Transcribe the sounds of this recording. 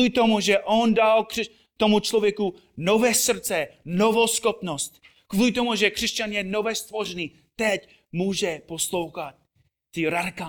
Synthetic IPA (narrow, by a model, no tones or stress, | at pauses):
ɪt̪omuʒɛʔo̞ndalkr̥ɛ | t̪o̞mut͡ʃlovjɛku | novɛːsr̩t͡sɛno̞vo̞sxopnost̪ | kvuːlɪt̪̬o̞muʒɛkr̥ɛscanjɛnovɛːst̪vo̞rɛniː | t̪ɛc | muːʒɛposlo̞wxat̪̚ː | ɪɾadɪka